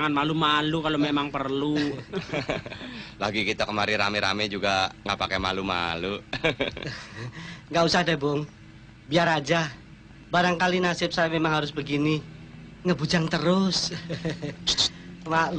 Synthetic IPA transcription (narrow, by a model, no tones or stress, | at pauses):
ŋanmalumalukalomemaŋpərlu | laɡikit̪akəmaɾiɾa̰mɛɾa̰mɛd͡ʒuɡaŋapakɛma̰luma̰lu | ŋɡausahdabɔŋ | biaɾad͡ʒa | baɾaŋkalinasɪp̚sajamemaŋɦaɾʊsbəɡini | ŋəbud͡ʒaŋt̪əɾʊs | mal